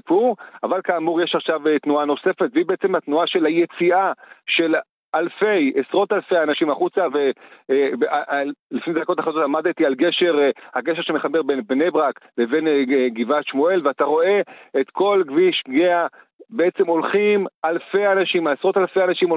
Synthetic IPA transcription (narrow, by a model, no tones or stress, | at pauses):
ipuʁavalkaːmuʁjeʃaχʃavet̪nuano̞se̞fe̞t̪vibeet͡se̞mhat̪nuaʃe̞lajet͡siaʃe̞l | alfe̞jesʁo̞talfe̞janaʃimaχut͡savebalifnedako̞t̪aχazotlamad̪t̪ialɡe̞ʃe̞ʁhaɡeʃ̬eʃeme̞χabeʁbenbne̞bʁakleve̞nɡivat̪ʃmue̞lveat̪aʁo̞e̞et̪kʰo̞lɡviʃɡea | beet͡semo̞lχimalfe̞janaʃimaesʁo̞talfe̞janaʃimo